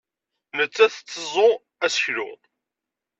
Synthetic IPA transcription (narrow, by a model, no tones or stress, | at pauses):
nət͡sːæθt͡sːəzˤo | æsəçlʊ̰ðˤ